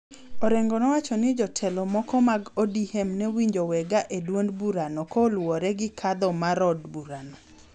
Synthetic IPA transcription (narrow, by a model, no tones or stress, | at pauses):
oɾeŋɡɔnɔwat͡ʃɔnɪd͡ʒɔtʰɛlɔmɔkɔmaɡodihɛmnɛwiɲd͡ʒowɛɡaʔedwondbuɾanɔkɔlwɔɾɛɡɪkʰad̪ɔmaɾɔdbuɾanɔ